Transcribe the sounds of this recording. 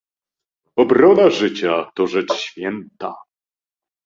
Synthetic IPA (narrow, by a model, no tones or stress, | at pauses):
ɔbɾɔnaʐɘt͡ɕat̪ɔʐɛt͡ʂɕfʲjɛnt̪a̰